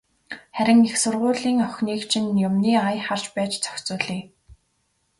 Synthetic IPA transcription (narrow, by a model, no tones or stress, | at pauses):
χæɾʲɪ̆ŋixsʊrʁʊːɮiːŋœxʲniːkt͡ɕʰĭnjʊmniːajχar̥t͡ɕpæːt͡ɕt͡sʰœ̥xʲt͡sʊːɮiː